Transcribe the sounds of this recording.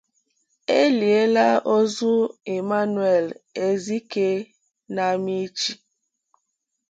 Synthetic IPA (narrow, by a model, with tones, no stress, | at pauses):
e˦li˨e˦la˦ʔo˦zu˦e˨ma˦n˦e˨le˦zi˦ke˦ | na˨mi˦t͡ʃi˨